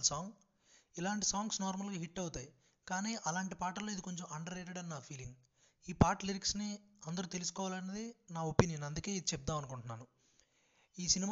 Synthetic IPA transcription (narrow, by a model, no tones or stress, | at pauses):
saːŋɡ | ilaːɳʈisaːŋɡsnaːɾmɐlɡaːɦiʈːɐwut̪aːji | kaːniːʔɐlaːɳʈipaːʈɐlːoːid̪iko̞ɲt͡ʃomɐɳɖɐɾeːʈeɽɐnːaːpʰiːliŋɡ | iːpaːɾʈliɾiksniɐnd̪ɐɾut̪̬elusu̥kɔːʋaːlɐnːɐd̪inaːopiniːnɐnd̪uke̞ːid̪it͡ʃɛp̚d̪aːmɐnukuɳʈunːaːnu | iːsinim